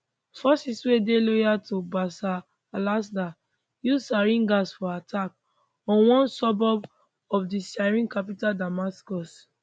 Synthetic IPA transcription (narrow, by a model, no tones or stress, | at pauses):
fɔsiswedelojatobasaː | lasda | juzsaɾĩnɡasfɔatʰak̚ | ɔ̃nwɔ̃nsɔbɔb | ɔfdiʃaɾĩnkap̬itadamaskɔs